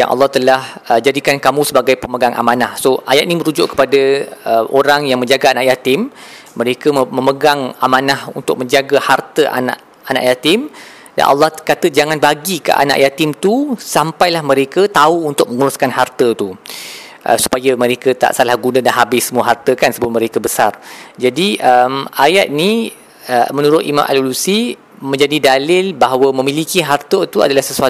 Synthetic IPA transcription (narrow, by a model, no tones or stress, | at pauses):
ja̰nʔɑ̰lːɑht̪əlahəd͡ʒadikankamũsəbaɡajpəməɡaŋʔa̰mãnahsoajat̪̚niməɾud͡ʒʊʔkə̥padəəo̰ɾaŋjaŋmə̃ɲd͡ʒaɡaanaʔjat̪ɪmː | ə̃ɾekəməməɡaŋamãnahṵnt̪ʊk̚mə̃ɲd͡ʒaɡəhart̪əʔa̰na̰ʔ | ana̰ʔjat̪ɪm | da̰nʔɑ̰lːɑhkat̪əd͡ʒaŋanbaɡikə̰ʔa̰na̰ʔjat̪ɪmt̪usampajlahmə̃ɾekət̪auːnt̪ʊk̚mə̃ŋuɾʊskanɦart̪ət̪u | ʔə̰su̥pajəmə̃ɾekət̪a̰ʔsalahɡunadanɦabɪsːəmuaɦart̪əkansəbʊmə̃ɾekəbəsard͡ʒadiəmajat̪̚ni | əmə̃nũɾʊt̪ʔḭmã̰mʔa̰lulusi | mə̃ɲd͡ʒadidalɪlbaɦawəmə̃milikiɦart̪ət̪ua̰dalahsəsua